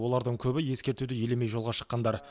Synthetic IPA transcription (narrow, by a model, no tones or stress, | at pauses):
wo̞lˠɑɾd̪əɴkʲʰɵbɪje̞skʲe̞ɾt̪ud̪ɪje̞leme̞jʒo̞lˠʁɑʃə̥qːɑnd̪ɑɾ